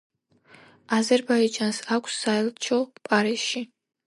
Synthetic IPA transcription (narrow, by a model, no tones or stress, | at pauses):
azɛɾbaid͡ʒansakʷʰʼsːaɛlˠt͡ʃʰɔpʼaɾisʃi